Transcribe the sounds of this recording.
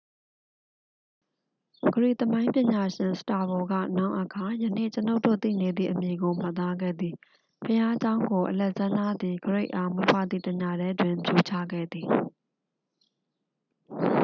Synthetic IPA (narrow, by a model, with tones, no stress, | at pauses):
ɡ̥əɹḭ˦˨t̪əmã˦ɪ̃mpjɪ̃˨ɲa˨ʃɪ̃˨nsə̥ta˨bɔ˨ɡä̰˦˨na˦˨ʊʔə˨kʰa˨jə˨nḛ˦˨t͡ɕəno˦ʊtːo̰˦˨t̪ḭ˦˨ne˨d̪ðḭ˦˨ʔəmje˨ɡo˨m̥a˦t̪̬ːa˦ɡɛ̰˦˨d̪i˨ | pʰəja˦d͡ʑã˦ʊ̃ŋɡo˨ʔəlɛ˦˨ʔt͡ɕã˦nd̪a˦d̪i˨ɡəɹe˦ɪʔa˨mwe˦pʰa̰˦˨d̪ðḭ˦˨tə˨ɲa˨dɛ˦dwɪ̃˨mpʰjo˨t͡ɕʰa̰˦˨ɡɛ̰˦˨d̪ði˨